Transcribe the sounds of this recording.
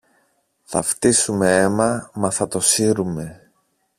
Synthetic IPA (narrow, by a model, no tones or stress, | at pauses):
θɐ̰ft̪isume̞e̞mɐmɐθɐt̪o̞siɾume̞